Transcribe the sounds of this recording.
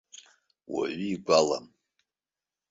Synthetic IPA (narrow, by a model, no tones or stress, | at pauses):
wa̰ɥiːɡʷʼala̰m